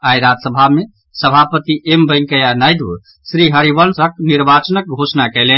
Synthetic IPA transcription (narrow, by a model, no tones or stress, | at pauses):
ajɾad͡ʒ̪səbʱame | səbʱapət̪iʔembəŋkəjanajd̪ʋ | sɾiɦəɾibəlsək̚niɾbat͡ʃənək̚ɡʱosnakɛlen